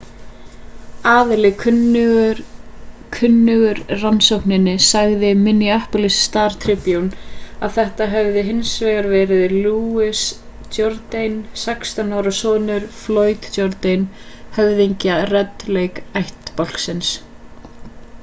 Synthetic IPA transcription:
aːðɪlɪkʰn | kʰʏnːʏɣʏɾransowhnɪnːɪsaɣðɪmɪniahpʊlɪsːt̪aːɾ̥t̪ʰɾɪpjunaðθɛht̪aɦɛvðɪɦɪnsvɛːɣaɾvɛːɾɪðluɪs | t̪jɔɾt̪ejnsakst̪anawɾasɔːðnʏɾ̥floːɥt̪t̪jɔɾt̪ejnhœvðiɲcarɛt̪ːlejkajht̪pɔl̥ksɪns

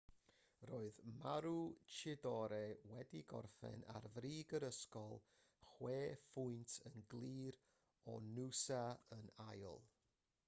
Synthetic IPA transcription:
roːɨðmaɾut͡ʃʰɪdɔɾɛwɛdiɡɔ̰rfɛ̰na̰rvriːɡəɾəskɔlˠ | χweːfʊɨntʰənɡlˠiːɾ | ɔ̰nusaənajʊ̰lˠ

